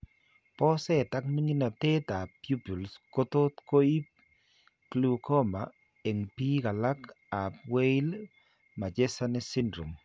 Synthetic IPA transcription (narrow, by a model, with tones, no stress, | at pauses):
pɔ˦sɛ˦˨ta˦kmi˦ŋi˦na˨t̪e˦t̪a˨pju˦pu˨lsko˦to˦t̪ko˦i˦p | klu˨kɔ˦ma | e˨ŋpi˦ka˨la˦k | a˨pwe˦ɪ˦l | ma˨d͡ʒe˦sa˦nɛ˦sɪ˦ndɾo˨m